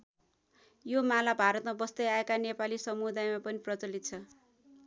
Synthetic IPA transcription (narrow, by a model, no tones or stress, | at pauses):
jomalabʱaɾʌt̪mabʌst̪ʌjaekanepalisʌmud̪ajmapʌniprʌt͡sʌlit̪̚t͡sʰʌ